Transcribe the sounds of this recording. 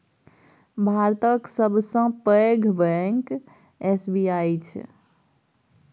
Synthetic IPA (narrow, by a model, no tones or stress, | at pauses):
bʱaɾt̪əksəbʱsə̃pəɡʱbɛŋk | esbiajt͡ʃʰ